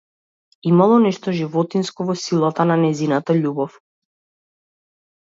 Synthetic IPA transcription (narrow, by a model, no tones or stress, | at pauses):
imalˠɔnɛʃt̪ɔʒivɔt̪inskɔvɔsilˠat̪ananɛjzinat̪aʎubɔf